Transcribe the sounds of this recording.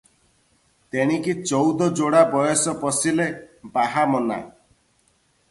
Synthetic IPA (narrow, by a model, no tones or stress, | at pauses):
t̪eɽ̃ikit͡ʃɔwd̪ɔd͡ʒoɽabɔjɔsɔpɔsilebaɦamɔna̰